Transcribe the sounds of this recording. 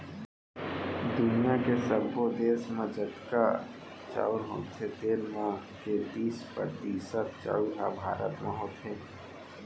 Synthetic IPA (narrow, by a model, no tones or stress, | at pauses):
d̪ʊnijakesəbod̪eːsmãd͡ʒət̪ka | t͡ʃa̰ːʊɾɦõ̰ːt̪ʰet̪eːɾmã | ket̪iːspə̰t̪iːsət̪t͡ʃa̰ːʊɾɦabʱaːɾət̪maɦoːt̪ʰe